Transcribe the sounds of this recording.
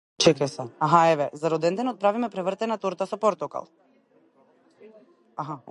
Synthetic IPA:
t͡ʃɛkɛsɛaɦaɛvɛzaɾɔd̪ɛnd̪ɛnɔt̪̚pɾavimɛpɾɛvrt̪ɛnat̪oɾt̪asɔpɔɾt̪ɔka̰lˠ | aɦa

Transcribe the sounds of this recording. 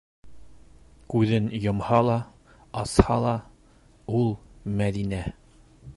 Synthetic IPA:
kʉðɘnjŏmhɑlˠɑ | ɑshɑlˠɑ | ulˠmæðinæ

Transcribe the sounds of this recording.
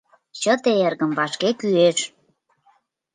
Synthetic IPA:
t͡ɕət̪eerɣəmvɑʃkekyeʃ

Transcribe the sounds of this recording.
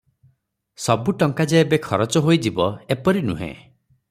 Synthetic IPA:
sɔbuʈɔŋkad͡ʒeebekʰɔɾɔt͡ʃɔɦojd͡ʒibɔepɔɾinṵɦḛ̃

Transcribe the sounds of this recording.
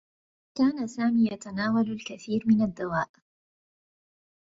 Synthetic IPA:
kaːnasaːmiːjat̪anaːwalʊlkaθiːɾmɪnad̪ːawaːʔ

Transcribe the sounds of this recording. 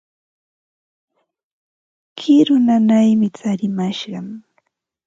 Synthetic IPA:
kʰɪɾʊnanajmɪt͡saɾɪmaʃɢɑŋ

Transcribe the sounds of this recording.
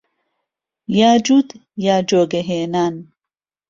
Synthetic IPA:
jaːd͡ʒud̪jaːd͡ʒoːɡeɦeːnaːn

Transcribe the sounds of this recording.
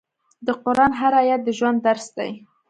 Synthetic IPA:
d̪əqʊɾɑnɦaɾɑjat̪̚d̪əʒwand̪ːaɾsd̪a̰j

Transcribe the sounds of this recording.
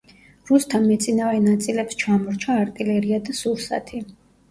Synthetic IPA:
ɾust̪ʰanmɛt̪sʼinavɛnat̪sʼilɛpst͡ʃʰamɔɾt͡ʃʰaːɾt̪ʼilɛɾiad̪asuɾsa̰t̪ʰi

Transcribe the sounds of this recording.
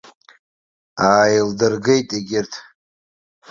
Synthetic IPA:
aːjɪldɨrɡejtʼeɡʲɪrtʰ

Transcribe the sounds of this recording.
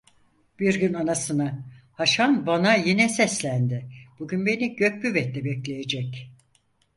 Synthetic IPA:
b̥iɾɟynanasɯna | haʃanbanajinɛsɛslʲænd̪ɪb̥uɟynbe̞niɟøc̚byvɛt̪lɛbɛclʲejed͡ʒɛc

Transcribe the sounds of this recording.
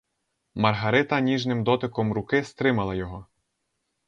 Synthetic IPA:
mɐrɦɐɾɪt̪ɐnʲiʒnɪmd̪ɔt̪ɪkɔmɾʊkɪst̪ɾɪmɐlˠɐjɔɦɔ

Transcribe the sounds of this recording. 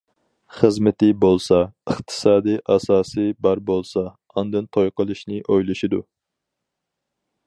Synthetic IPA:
χəzmɪt̪ɪbolˠsɑəχt̪ʰɨ̥sɑːd̪iʔɑsɑːsɨbɑɾbolˠsɑ | ɑnd̪ɨnt̪ʰojqəlˠɨʃnɪʔojlˠɨʃid̪u

